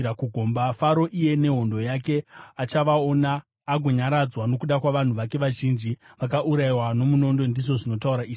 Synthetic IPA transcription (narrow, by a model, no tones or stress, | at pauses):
akuɡʱo̞mbafaɾo̞ʔije̞ne̞ɦo̞ndo̞jake̞at͡ʃaʋao̞naː | ɡʱoɲaɾad͡zwano̞kuɗakwaʋan̤uʋake̞ʋaʒind͡ʒiʋakaʔuɾaiwano̞muno̞ndo̞ndiʐo̞ʐino̞tauɾaiːʐi